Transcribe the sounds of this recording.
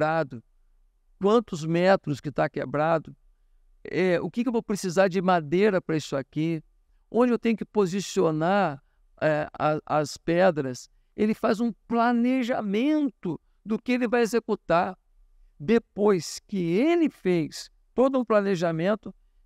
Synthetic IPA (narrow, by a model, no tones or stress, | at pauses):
ɾad̪ʊ | kwɐ̃nt̪ʊzmɛt̪ɾʊskɪt̪akebɾad̪ʊ | ɛʊ̰kɪkewvowpɾesizaɾd͡ʒɪmad̪ejɾɐpɾɐisʊaki | õd͡ʒɪewt̪ẽɲʊkɪ̥pozisionaɾ | ɛɐɐspɛd̪ɾɐs | elɪfazũplaneʒamẽnt̪ʊ | d̪ʊkɪelɪvajezekut̪aɾ | d̪epojskɪelɪfejs | t̪od̪ʊũplaneʒamẽnt̪ʊ